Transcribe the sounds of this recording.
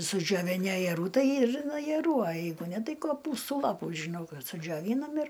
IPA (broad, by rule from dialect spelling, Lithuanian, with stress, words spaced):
sʊd͡ʒʲoːʋʲɪˈnʲɪ ɐjɛˈruː ˈtɐɪ ɪr ɐjɛruː ɐ ˈjɛɪɡʊ ˈnʲɛ ˈtɐɪ koːˈpuːstuː ˈlˠɑːpuː ʒʲɪˈnɐʊ ˈkɐs sʊd͡ʒʲoːˈʋʲiːnɐm ɪr